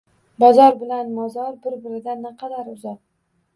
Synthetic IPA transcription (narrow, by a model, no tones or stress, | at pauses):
bɒzɒɾbɪlanmɒzɒɾbɪɾbɪɾɪd̪anːɪqʰɑd̪aɾʊzat